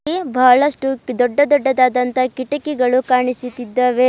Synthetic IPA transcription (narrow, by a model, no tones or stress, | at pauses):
ibʱaːɭɐʂʈud̪ɔɖːɐd̪ɔɖːɐd̪aːd̪ɐnt̪ɐkiʈɐkiɡɐɭukaːɳisut̪id̪ːɐʋe